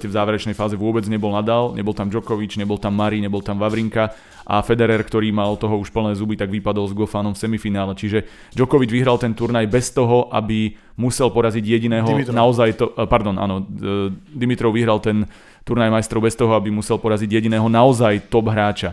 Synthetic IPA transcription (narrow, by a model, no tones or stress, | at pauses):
cɛvzaːʋɛɾɛt͡ʃnɛjfaːzɛʋʊɔbɛd͡zɲɛbɔlnad̪aːlɲɛbɔlˠt̪amd͡ʒɔkɔʋid͡ʒɲɛbɔlt̪amːaɾiɲɛbɔlt̪amʋaʋɾiŋka | ʔa̰fɛd̪ɛɾɛːɾkt̪ɔɾiːmalt̪ɔɦɔuʃpl̩nɛːzubit̪aɡʋipad̪ɔlzɡɔfaːnɔmfsɛmifinaːlɛt͡ʃiʒɛ | d͡ʒɔkɔʋid͡ʒʋiɦɾalˠt̪ɛnt̪uɾnajbɛst̪ɔɦɔʔa̰bi | musɛlpɔɾaziɟjɛɟinɛːɦɔnaɔzajt̪ɔpaɾd̪ɔnʔa̰ːnɔ | d̪imit̪ɾɔʊʋiɦɾalt̪ɛn | t̪uɾnajmajst̪ɾɔʊbɛst̪ɔɦɔabimusɛlpɔɾaziɟjɛɟinɛːɦɔnaɔzajt̪ɔbɦɾaːt͡ʃa